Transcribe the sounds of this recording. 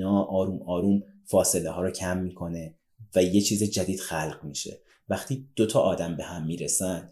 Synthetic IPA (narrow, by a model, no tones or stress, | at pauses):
nɒːʔɒːɾuːmɒːɾuːmfɒːse̞leɦɒːɾɔːcʰæmːiːkʰo̞ne̞ | væje̞t͡ʃʰiːzed͡ʒæd̪iːd̪̥xælɢmiːʃe̞̰ | væxt̪ʰiːd̪̥ot̪ʰɒːʔɒːd̪æmbe̞hæmːiːɾesænd̪̥